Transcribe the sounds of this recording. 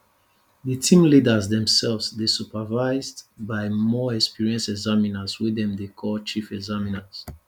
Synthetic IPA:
ðətʰĩmlidəzdɛ̃msɛlvsdesupavaɪzdbaɪmɔɛkspiɹiə̃nsɛɡzaminaswidɛ̃mdekʰɔlt͡ʃifɛɡzaminas

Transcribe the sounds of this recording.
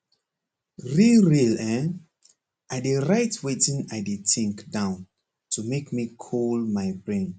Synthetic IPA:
ɹilɹilɛ̃ | ʔadeɹajtʰwetĩnajditĩŋkdãʊ̃n | tʰumekmikʰolmajbɹẽn

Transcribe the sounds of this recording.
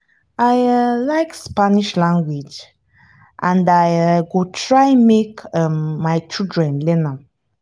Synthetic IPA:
ajlaɪkspaniʃlãŋɡwid͡ʒ | ʔãndajjɡotʰɹajmekəmːajt͡ʃildɹɛ̃nlɛna

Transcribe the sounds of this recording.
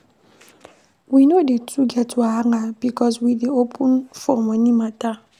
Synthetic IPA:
winodetʰuɡɛtwaŋabikɔswideopʰunfɔmanimata

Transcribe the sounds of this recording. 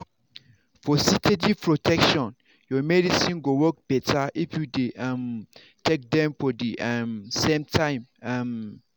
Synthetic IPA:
fɔsitʰed͡ʒipʰɹotʰɛkʃɔ̃n | jɔmɛdisĩnɡowɔk̚b̥ɛtʰaʔifjudeam | tʰek̚dɛ̃mfɔdiʔamsẽmtʰãɪ̃mam

